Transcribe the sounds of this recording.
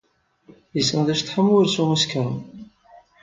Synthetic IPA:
jəsənðæʃθħəmːʊɾsumuskæn

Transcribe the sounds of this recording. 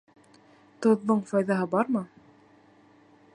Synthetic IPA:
t̪ŏðːɤɴfɑjðɑɦɤbɑɾmɤ

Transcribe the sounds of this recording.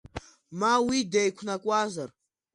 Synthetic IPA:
mawidejkʷʰnakʷʼazar

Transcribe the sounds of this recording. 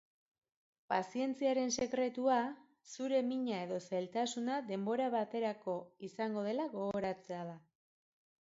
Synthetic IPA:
pasie̞nt͡siaɾe̞nse̞kɾe̞t̪ua | suɾe̞miɲae̞ðo̞selt̪asunaðe̞mbo̞ɾaβat̪e̞ɾako̞isaŋɡo̞ð̞e̞laɣo̞ɣo̞ɾat͡se̞aða

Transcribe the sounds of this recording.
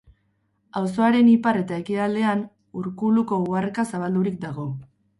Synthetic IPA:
awso̞aɾe̞nipare̞t̪ae̞kiald̪e̞an | uɾkuluko̞uarkasaβ̞ald̪uɾik̚d̪aɣo̞

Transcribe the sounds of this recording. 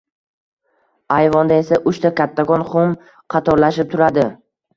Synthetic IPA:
ajvɒnd̪ae̞saʔʊʃt̪ʰakʲʰat̪ʰːakɒnχʊm | qʰɑt̪ʰɒɾlaʃɪp̚t̪ʰʊɾad̪ɪ

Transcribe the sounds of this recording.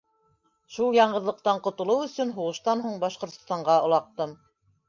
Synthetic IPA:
ʃulˠjɑɴɢɤ̆ðlˠɤ̆q̚t̪ɑɴqŏt̪ŏlˠɤwɵ̆sɵnɦuʁɤ̆ʃt̪ɑnɦuɴbɑʃqŏɾt̪ŏst̪ɑɴɢɑŏlˠɑq̚t̪ɤm

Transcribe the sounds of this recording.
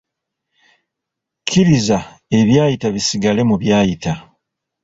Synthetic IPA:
kʰiɾiza | e̞βjaːjitaβisiɡale̞muβjaːjita

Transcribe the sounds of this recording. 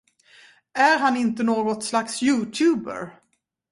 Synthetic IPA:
æɾɦanɪnt̪ənoːɡɔt̪slaksjʉ̟ːt̪ʰʉ̟ːbə̰ɾ

